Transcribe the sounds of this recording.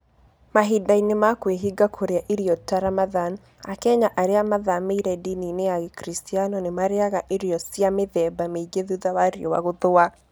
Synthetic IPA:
maɦidainemakweɦiɡakʰoɾeaʔeɾiɔtaɾamaðan | akɛɲaʔaɾeamaðameiɾɛdininejaɣekɾistianɔnemaɾeaɣaʔeɾiɔsiameðɛbameɡeðuðawaɾiɔwa̰ɣoðoa

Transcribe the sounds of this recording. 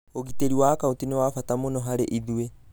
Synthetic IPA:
oɣiteɾiwaːkautinewafatamonɔɦaɾeʔiðue

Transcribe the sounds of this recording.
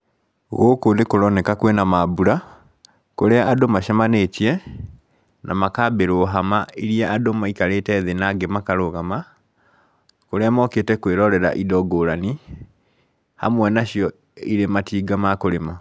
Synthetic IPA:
ɣokonekoɾɔnɛkakwenamabuɾa | koɾɛaadomaʃamaneːtiɛ | nʔamakabeɾoːɦamaiɾiaʔadomaikaɾetɛðenaɡemakaɾoɣama | koɾɛamɔketɛkweɾɔɾɛɾa̰ʔidɔɡoɾani | ha̰mwɛnaɕiɔ | iɾematiːɡamakoɾema

